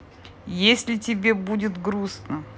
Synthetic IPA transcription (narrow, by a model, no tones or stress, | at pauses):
jesʲlʲɪtʲɪbʲebudʲɪt̪ɡɾusnə